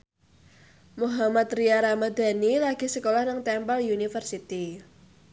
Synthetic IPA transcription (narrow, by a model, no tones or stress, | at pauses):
muɦamat̪ɾijaɾamad̪a̤nilaɡ̥i̤səkolahnaŋt̪ɛmpaljunifərsit̪i